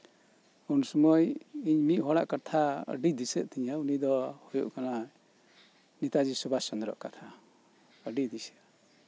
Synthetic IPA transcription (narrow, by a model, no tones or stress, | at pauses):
ɔnsɔmɔjiɲmiʔ̪̚ɦɔɽaʔkat̪ʰaə̰ɖid̪isɛʔ̪̚ˀt̪ɛɲaunid̪ɔhɔjṵʔkana | nit̪ad͡ʒisɔbasɔnd̪ɾɔ̰ʔkat̪ʰa | əɖid̪isja